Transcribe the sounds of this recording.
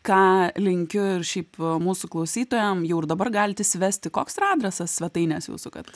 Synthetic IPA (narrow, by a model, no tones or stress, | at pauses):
kɑːlʲɪŋʲkʲʊɪrʃʲɛɪpmuːsʊklˠɐʊsʲiːt̪oːjɛmjɛʊɪrd̪ɐbɐrɡɑːlʲɪt̪ʲɪsʲʋʲæːsʲt̪ʲɪkoːksrɑːd̪ʲɾʲɛsɐssʲʋʲɛt̪ɐɪnʲɛsjṵːsʊkɐ̰t̪